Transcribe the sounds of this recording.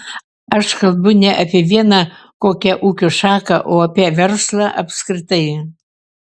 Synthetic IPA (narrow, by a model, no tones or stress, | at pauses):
ɐʃkɐlˠbʊnʲɛʔɐpʲeɛʋʲiɛnɐkoːkʲɛʔukʲoʃɑːkɐʔoɐpʲɛʋʲɛrslˠɐʔɐpskɾʲɪt̪ɐj